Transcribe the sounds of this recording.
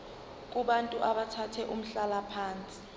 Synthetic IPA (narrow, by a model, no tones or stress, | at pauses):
k̬ʼuɓantʼuʔaɓatʰatʰɛʔum̩ɬalapʰaːnt͡sʼi̥